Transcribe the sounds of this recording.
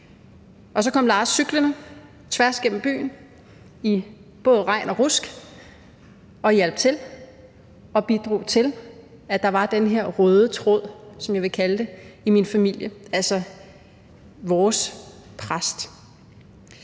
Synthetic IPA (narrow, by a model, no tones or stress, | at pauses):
ʔɒ̽sɒ̽kɒ̽m̰lɑ̈ːsːyɡ̥lənə | t͡sʰʋæɐ̰sɡ̥en̰m̩b̥y̰ːn̩ | ib̥ɔ̽ːð̞ˠʁɑ̈ɪ̰nɒ̽ʁusɡ̥ | ɒ̽jæl̰b̥̚t͡sʰe̝l | ɒ̽b̥id̥ʁo̝̰ːt͡sʰe̝l | æd̥ɑ̈ʋɑ̈d̥enɦeɐ̰ʁœːð̞ˠət͡sʰʁɔð̰ˠsɒ̽mjɑ̈ɪʋe̝kʰæləd̥e̝iminfæmil̰jəælsɒ | ʋɒːs | pʰʁasd̥